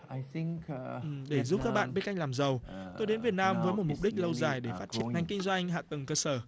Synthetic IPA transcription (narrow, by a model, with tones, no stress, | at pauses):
a˨θiŋkʔɨ˨ɗe˧˩zu˦˥p̚kaː˦˥k̚ɓa̰ː˧˨nɓe˧˦˥ka˧jŋ̟laː˨˩mzə˨˩wt̪o˧jɗe˨˦nvi˨˩ət̚naː˧mvəː˨˦jmo˨˩t̚mʊ˨˩k͡p̚ɗï˦˥k̟̚lə˧wzaː˨˩jɗe˧˩faː˦˥t̚t͡ɕi˧˩əna˨˩jŋ̟kï˧ŋ̟zwa˧ŋ̟ɦa̰ː˧˨t̪ə˨˩ŋkəː˧səː˧˩